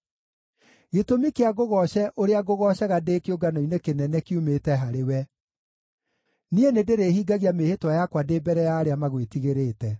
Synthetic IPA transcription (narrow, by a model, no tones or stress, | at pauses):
ɣetomikeaɣoɣɔɕɛʔoɾeaɡoɣɔɕɛɣadeːkeoɡanoinekenɛnɛkeumetɛɦaɾewɛ | nienedeɾehiːɡaɣiamehetwajakwadeːbɛɾɛjaːɾeamaɣwetiɣeɾeːtɛ